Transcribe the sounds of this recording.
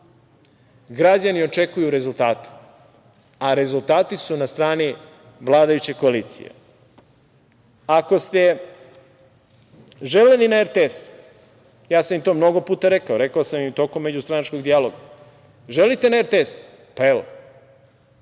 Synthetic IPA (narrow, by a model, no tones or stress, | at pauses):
ɡɾad͡ʑanio̞t͡ʃe̞kujuɾe̞zult̪aːt̪e̥ | aɾe̞zulˠt̪aːt̪isunast̪ɾaːni | ʋlˠaːd̪ajut͡ɕe̞ko̞aliːt̪sḭjḛ | ako̞st̪e̞ | ʒelelinaeɾt̪ees | jaːsamimt̪o̞ːmno̞ɡo̞puːt̪aɾe̞kaoɾe̞kaosamjimt̪o̞ko̞mːe̞d͡ʑust̪ɾanat͡ʃko̞ɡd̪ijaloɡa | ʒelit̪e̞naeɾt̪ees | paelo